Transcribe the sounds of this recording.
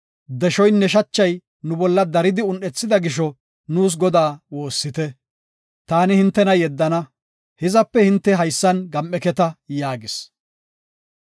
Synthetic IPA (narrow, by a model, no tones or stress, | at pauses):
d̪ɛʃɔjnːɛʃ̬ɐt͡ʃːɐj | nʊbɔlːɐd̪ɐɾɪd̪ɪʊnɗɛt͡sːɪd̪ɐɡɪʃɔ | nuːs̬ɡɔd̪aːwo̞ːsːɪt̪ɛ | t̪aːnɪhɪnt̪ːɛnɐjɛd̪ːɐnɐ | hɪzɐpːɛhɪnt̪ːɛɦɐjsːɐnɡɐmʔɛkɛt̪ɐjaːɡɪs